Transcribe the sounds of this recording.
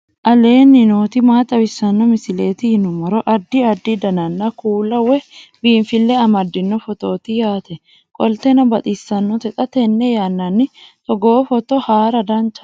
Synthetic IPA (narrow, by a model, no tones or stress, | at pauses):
ʔɐle̞ːnːɪno̞ːt̪ɪmaːt̪ʼɐwɪsːɐnːɔmɪsɪle̞ːt̪ɪhɪnʊmɐɾɔʔɐd̪ːɪɐd̪ːɪd̪ɐnɐnːɐkuːlːɐwɛbiːnfɪlːɛɐmɐd̪ːɪnːɔfɔt̪o̞ːt̪ɪjaːt̪ɛ | kʼɔlt̪ɛnɐbɐt̪ʼisːɐnːɔt̪ɛt̪ʼɐt̪ɛnːɛjanːɐnːɪt̪ɔɡoːfɔt̪ɔhaːɾɐd̪ɐnt͡ʃɐ̥